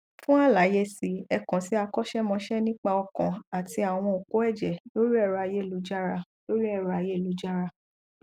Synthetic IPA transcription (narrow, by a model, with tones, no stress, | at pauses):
fũ˦a˦˨la˨˦je˧si˧ɛ˧kɔ̃˨si˨˦a˧kɔ˦ʃɛ˦mɔ̃˧ʃɛ˦nĩ˦k͡pa˧ɔ˧kɔ̃˨a˨ti˧a˨w̃ɔ̃˧o˨ko˦ɛ˦˨d͡ʒɛ˨lo˦ɾi˦ɛ˦˨ɾɔ˨˧a˧je˦˨lu˨˦d͡ʒa˦ɾa˧ | lo˦ɾi˦ɛ˦˨ɾɔ˧a˧je˦˨lu˨˦d͡ʒa˦ɾa˧